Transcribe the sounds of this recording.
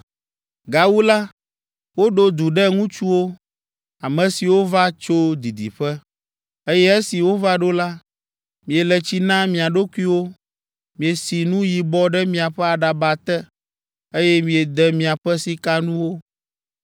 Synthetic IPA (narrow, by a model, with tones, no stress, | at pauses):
ɡa˨wu˦la˦ | wo˦ɖo˦d̪u˨ɖɛ˦ŋũ˦t͡ʃu˦wo˦ | a˨mɛ̃˨si˨wo˦va˦t͡ʃo˦d̪i˨d̪ḭ˨ɸɛ˦ | e˦jɛ˦ɛ˦si˨wo˦va˦ɖo˦la˦ | mĩ˨ɛ˨lɛ˨t͡ɕi˦nã˦mĩ˨a˨ɖo˦ku˦i˦wo˦ | mĩ˨e˨si˨nũ˦ji˨bɔ˦ɖɛ˦mĩ˨a˨ɸɛ˦a˨ɖa˨ba˨t̪ɛ˦ | e˦jɛ˦mĩ˨ɛ˨d̪ɛ˦mĩ˨a˨ɸɛ˦si˦ka˦nũ˦wo˦